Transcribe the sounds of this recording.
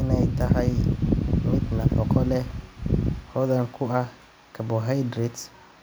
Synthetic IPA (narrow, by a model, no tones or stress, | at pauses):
ɪnajtahamitnapɔkʰɔlɛ | hɔdãnkʰʊʔa | kabɔɦajdɾit